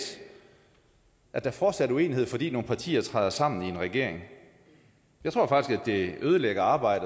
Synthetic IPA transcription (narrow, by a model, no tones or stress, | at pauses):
ʔæd̥æfɒːd̥sæɾue̝̰ːnihe̝ð̞̰ˠfɒ̽d̥ḭːno̝ːn̩pʰɑ̈t͡sʰḭːɐt͡sʰʁɑɪðˠɐsɑ̈m̰n̩ie̝nʁɛɡ̥e̝ɐ̰eŋ | jɑɪt͡sʰʁo̝̰fɑ̈ɡ̥isɡ̥æd̥e̝ʔøːð̞ˠəleɡ̥ɐɑ̈ːb̥ɑ̈ɪ̰d̥ə